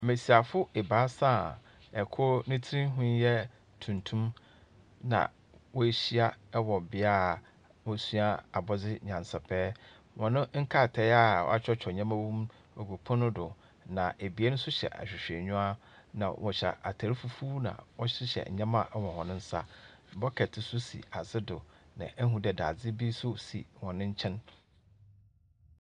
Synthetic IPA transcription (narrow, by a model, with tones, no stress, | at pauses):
mẽ˨si˨a˨fʊ˦e˨baː˦sã˦˨ | ɛ˨kʰɔ˦nɪ̃˦tʰɪ˦ɾĩ˦ɦʊ̃˦jɛ˦ | tʰũ˨ntʰũ˦m | nã̰˨ | wɔ˦e˦ɕi˦a˦wɔ˨bɪ˨˦a˦˨ | wɔ˦su˦a˦a˨bɔ˦d͡zɪ˦ɲã˨nsa˨pʰɛː˦ | wɔ̃˨nʊ̃˦ŋ̩˦kʰa˦˨tʰɛ˨˦ja̰˦˨˦a˦t͡ɕᶣɔ˦t͡ɕᶣʰɔ˨ɲã˦mã˦wũ˦m | ɔ˨ɡo˨pʰɔ̃˦nʊ̃˦dʊ˨ | nã˨ʔe˨bi˨e˦nʊ̃˦sʊ˦ɕɛ̰˨ʔa̰˨ɕᶣɪ˨ɕᶣɛ˨ɲũ˦a˦ | nã̰˨wʔɔ˨ɕa̰˨ʔa˨tʰa˨ɾi˦fu˦fuː˦nã̰˨wɔ˦ɕɪ˦ɕɛ̰˨ɲã˦mã˦˨ʔwɔ˨hɔ̃˨nʊ̃˦n̩˦sa̰˦˨ | bɔ˦kʰɛ˨tʰɪ˨sʊ˦sḭ˨a˨zɪ˦dʊ˨nã̰˨ʔɛ˦ɦũ˨dɛ˨da̰˨d͡zɪ˦bi˦sʊ˦sḭ˨wɔ̃˨nɪ̃˦ɲ̩˦t͡ɕʰɛ̃˦n